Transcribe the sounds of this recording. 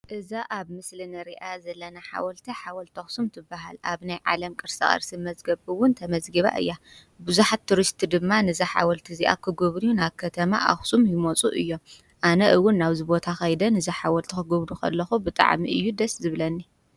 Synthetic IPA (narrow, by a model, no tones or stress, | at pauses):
ʔɨzaʔaβmɨslɨnɐɾiʔazɐlːɐnaħa̰wɐlt̪ʰiħawɐlt̪ʰɐxsumt̪ʰɨbːaɦa̰lʔa̰βnajʕa̰lɐmkʼɨɾsɐ̰χʼɐ̰ɾsimɐzɡɐβɨwʊnt̪ʰɐmɐzɡɐβa̰ʔɨ̰jːa | bɨzuħat̪ʰːuɾɨʃt̪ʰid̪ɨmːanɨzɐħa̰wɔlt̪ʰiziʔa̰kʰɨɡoβɾunaβkʰɐt̪ʰɐma̰ʔa̰xsumjɪmot͡sʼuʔɨjːo̞m | ʔanɐʔɨwːʊnːaβzɨbo̞t̪ʰaxɐjd̪ɐnɨzɐħawɐlt̪ʰikɨɡoβɾukɐ̰lːɐxubɨt̪ʼa̰ʕmiʔɨjːud̪ɐszɨβlɐnːi